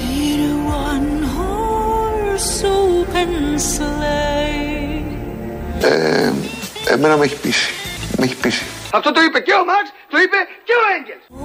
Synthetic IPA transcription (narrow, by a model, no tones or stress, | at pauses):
iɾwɐnɦɔ | sopʰɛnsle | ḛ | ḛmenɐmeçi̥pisi̥meçi̥pisi̥ɐft̪o̞t̪oipeceomɐkst̪oipe̞ceoeɲɟels